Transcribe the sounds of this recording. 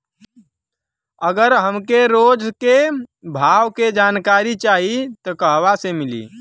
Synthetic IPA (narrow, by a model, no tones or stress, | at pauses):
əɡəɾɦəmkeɾoːd͡ʒkebʱaːwked͡ʒaːnkaːɾit͡ʃaːɦit̪ɔkəɦʋasemɪlḭː